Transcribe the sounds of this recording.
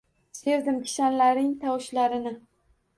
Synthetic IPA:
se̞ɾd̪ɪmkʲʰɪ̥ʃanlaɾɪŋt̪ʰawʃlaɾɪnɪ

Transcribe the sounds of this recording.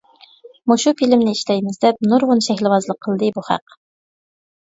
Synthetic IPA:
muʃufilɪmnɪiʃlɛjmɪzd̪ɛp̚nuɾʁʊnʃɛxʲlɪvɑzlˠəqʰːəlˠd̪ɨbuχæ̰q

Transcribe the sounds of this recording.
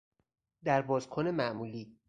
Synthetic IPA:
d̪æɾbɒːzkʰone̞mæʔmuːliː

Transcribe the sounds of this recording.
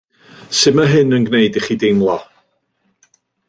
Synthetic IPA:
sɪmaɦɨnənɡneɨdiχidɪmlˠɔ

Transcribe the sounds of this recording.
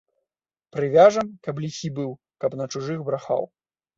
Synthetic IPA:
pɾɨvʲaʐɐmkɐplʲisʲibɨw | kɐpnɐt͡ʂuʐɨɣbɾaxa̰w

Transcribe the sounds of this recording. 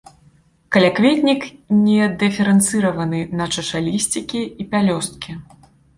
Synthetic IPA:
kɐlʲakvʲet̪ʲnʲiknʲɛd̪ɨfʲɛɾɛnt̪sɨɾɐvɐnɨnɐt͡ʂɐʂalʲisʲt͡sʲikʲiipʲalʲɔst̪̚kʲi

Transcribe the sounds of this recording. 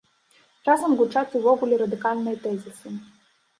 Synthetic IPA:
razɐmɡʊt͡ʂat̪ʲɨvɔɣulʲɛɾɐd̪ɨkalʲnɨjɐt̪ɛzʲisɨ

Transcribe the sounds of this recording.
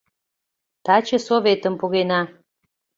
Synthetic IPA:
t̪ɑt͡ɕə̆soβet̪əmpuɣenɑ

